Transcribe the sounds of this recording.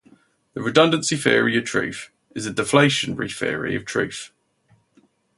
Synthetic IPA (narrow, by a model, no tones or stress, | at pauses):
ðəɹɪdʌ̃ndə̃nsifɪ̰əɹiəv̥tʰɹ̥ʉ̰ˑθ | ɪzədɪfleɪʃə̃nɹḭfɪ̰əɹḭə̰v̥tʰɹ̥ʉ̰ˑθ